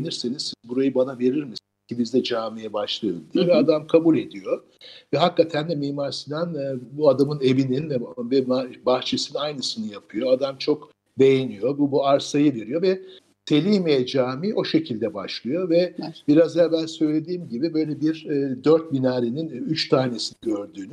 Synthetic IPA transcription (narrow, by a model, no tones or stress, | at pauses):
niɾsenizsizbuɾajɯbanave̞ɾiɾmisinz̥cʰibizd̪ɛd͡ʒaːmijɛbaʃlˠajod̪ijɛvɛad̪amkʰabulʲe̞d̪ijo̞ | vɛɦakːat̪ʰændɛmiːmaɾsɯnanːbuad̪amɯne̞vininvɛbɛabaxt͡ʃʰesinajnɯsɯnɯjapʰɯjo̞ad̪amt͡ʃʰo̞k | be̞je̞nijo̞bubuaɾsajɯve̞ɾijo̞vɛ | sʰe̞lʲijmeɛd͡ʒaːmiʔo̞ʃe̞cʰilʲd̪ɛbaʃlˠɯjo̞vɛbiɾazaabænsø̞jlʲe̞d̪iːmɟibibø̞jlʲɛbiɾd̪øɾt̪̚minaːɾininyt͡ʃt̪ʰaːne̞siniɟøɾd̪yːny